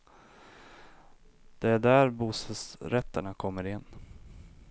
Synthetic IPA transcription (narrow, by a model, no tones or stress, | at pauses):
d̪̥ɛæɖæɾbuːsəsɾɛt̪ːəɳakʰɔmːəɾɪɛnː